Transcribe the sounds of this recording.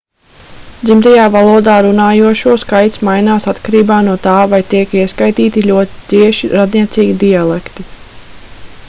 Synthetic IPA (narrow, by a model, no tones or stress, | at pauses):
d̪zimt̪ajaːvalˠuɔd̪aːɾunaːjuɔʃuɔskajt̪smajnaːsat̪kaɾiːbaːnuɔt̪aːvajt̪iɛkiɛskajt̪iːt̪ilʲuɔt̪i̥t̪iɛʃiɾad̪niɛt̪siːɡid̪ialˠɛkt̪i